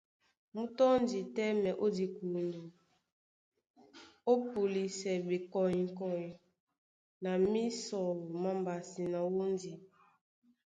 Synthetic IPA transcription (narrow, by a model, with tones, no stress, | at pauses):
mu˦tɔ˦n˦di˨tɛ˦mɛ˨ʔo˦di˨ku˨ndu˨ | o˦pu˨li˨sɛ˨be˨kɔ˨ji˨kɔ˨ji˨ | na˨mi˦sɔ˨wu˨ma˦mba˨si˨na˨wu˦n˦di˨